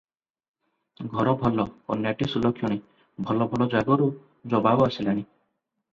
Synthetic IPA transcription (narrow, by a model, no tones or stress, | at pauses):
ɡʱɔɾɔbʱɔlɔkɔ̰njaʈisulɔkʰjɔɽ̃i | bʱɔlɔbʱɔlɔd͡ʒaɡɔɾu | d͡ʒɔbabɔasilaɽ̃i